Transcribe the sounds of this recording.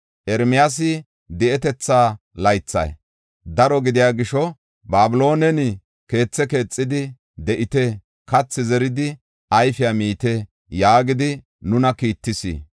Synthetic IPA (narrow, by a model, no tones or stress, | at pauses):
ʔɛɾmɪjaːs̬ɪ | d̪ɛʔɛt̪ɛt͡sːaː | lɐjt͡sːɐ̰j | d̪ɐɾɔɡɪd̪ɪjaːɡɪʃɔ | baːbɪlo̞ːnɛnɪ | ke̞ːt͡sːɛke̞ːt͡sʼːɪd̪ɪ | d̪ɛʔɪt̪ɛ | kɐt͡sːɪzɛɾɪd̪ɪ | ɐjfɪjamiːt̪ɛ | jaːɡɪd̪ɪ | nʊnɐkiːt̪ːɪsḭː